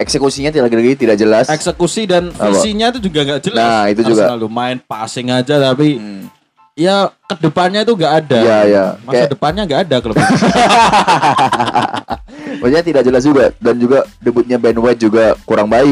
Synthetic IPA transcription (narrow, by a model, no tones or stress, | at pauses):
ɛksekusiɲat̪̬idaɡdəɡit̪idak̚d͡ʒəlasesəkusidansiɲait̪ud͡ʒuɡaŋɡaʔd͡ʒəlnasit̪̬ud͡ʒuɡaalumaɪnpasɪŋad͡ʒat̪api | jakədəpanɲait̪̬uŋɡaʔadajajamakasjadəpanɲaŋɡaʔːdakələi | masiɲat̪idak̚d͡ʒəlas̬d͡ʒuɡadand͡ʒuɡadəbut̪̚ɲabɛnwɛt̪̚d͡ʒuɡakuɾaŋbaɪ